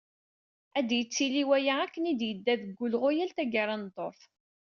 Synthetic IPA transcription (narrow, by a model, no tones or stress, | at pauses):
æd̪jət͡sːiliwæjaækːənid̪jəd̪ːæðəɡːʊlʁojælt̪æɡaɾˤɑnt̪ˤːoθ